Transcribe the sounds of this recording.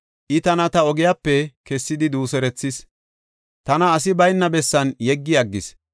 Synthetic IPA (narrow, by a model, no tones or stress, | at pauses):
ʔɪt̪ɐnɐt̪ɐɔɡɪjapːɛkɛsːɪd̪ɪd̪uːsɛɾɛt͡sːɪs | t̪ɐnɐːsɪbɐjnːɐbɛsːɐnjɛɡːɪɐɡːɪs